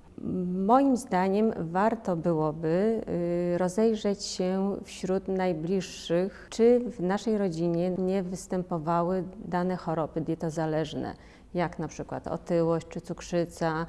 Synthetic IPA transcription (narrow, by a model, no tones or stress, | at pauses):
mɔjimzd̪aɲɛmvaɾt̪ɔbɘwɔbɘ | ɾɔzɛjʐɛt͡ɕɕɛfɕɾut̪najblʲiʂːɘxt͡ʂɘvnaʂɛjɾɔd͡ʑiɲɛɲɛvɘst̪ɛmpɔvawɘd̪anɛxɔɾɔbɘd̪ʲjɛt̪ɔzalɛʐnɛ̰ | jaknapʂɘkwa̰t̪ɔ̰t̪ɘwɔɕt͡ɕt͡ʂɘt̪sukʂɘt̪sa